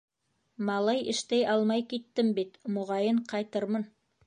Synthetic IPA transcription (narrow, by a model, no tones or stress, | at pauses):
mɑlˠɑjʔɘ̆ʃt̪æjʔɑlˠmɑjkit̪ːɘmbit̪mŏʁɑjɤɴqɑjt̪ɤɾmɤn